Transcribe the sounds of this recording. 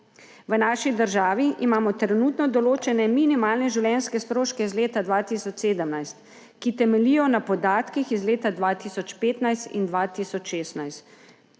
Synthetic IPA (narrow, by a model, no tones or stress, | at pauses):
ʋənaːʃid̪əɾʒaːʋiʔimaːmɔt̪ɾɛnut̪nɔd̪ɔloːt͡ʃɛnɛminimaːlnɛʒiwljɛnskɛst̪ɾoːʃkɛizleːt̪ad̪ʋaːt̪isɔt͡ʃseːd̪əmnajst̪ | kit̪ɛmɛlijɔnapɔd̪aːt̪kixizleːt̪ad̪ʋat̪isɔt͡ʃpeːt̪najst̪ḭnd̪ʋaːt̪isɔt͡ʃʃeːst̪najst̪